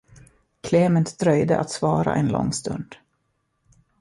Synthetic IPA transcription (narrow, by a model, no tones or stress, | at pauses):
kʰleːmənt̪d̪̥ɾœjd̪əʔat̪svɑːɾa̰ʔɛnlɔ̰ŋːst̪ɵnd̪̥